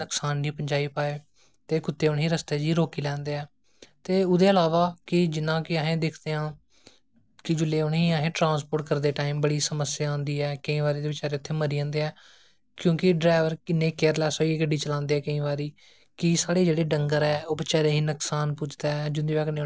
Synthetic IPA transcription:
əksaːnːiːpəɲd͡ʒaːiːpaːeː | t̪eːkʊt̪ːeːʊɳɦiːɾəst̪eːd͡ʒiːɾoːkiːlɛ̃ːnd̪eːɛː | t̪eːʊd̪eːəlaːʋaːkɪd͡ʒɪnãːkɪəɦẽːd̪eːkʰd̪eːɦãː | kɪd͡ʒʊleːʊɳɦiːaɦẽːʈɾãːnspoːʈkəɾd̪eːʈaːiːmbəɽiːsəməsːjaːãːnd̪iːɛːkəĩːʋaːɾiːd̪eːʋɪt͡ʃaːɾeːʊt̪ʰːeːməɾiːãːnd̪eːɛː | kjõːkɪɖɾaːʋəɾkɪnːeːkeːəɾlɛːsoːieɡəɖːiːt͡ʃəlãːnd̪eːɛːkəĩːʋaːɾiː | kɪsaːɽeːd͡ʒeːɽeːɖəŋɡəɾɛːoːbɪt͡ʃaːɾeːɦiːnəksaːnpʊt͡ʃʰd̪aːd͡ʒʊnd̪iːʋɛːkneː

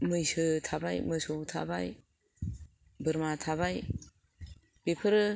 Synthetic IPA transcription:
mɯjsɯtʰabajmɯsɔwtʰa̰ba̰j | bɯɾmatʰaβaj | b̥epʰɯɾɯ

